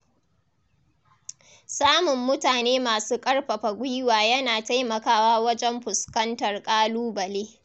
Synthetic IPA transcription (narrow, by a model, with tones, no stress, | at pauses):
saː˦mʊ˨mːʊ˦taː˨neː˦maː˨suː˦kʼɐ˦rɸɐ˨ɸa˨ɡʷʊ˦jwaː˨jɐ˦naː˨ta˦jmɐ˨kaː˦waː˦wɐ˦d͡ʒɛ˦mɸʊ˨skɐ˦ntɐ˨rkʼaː˦luː˦bɐ˨leː˦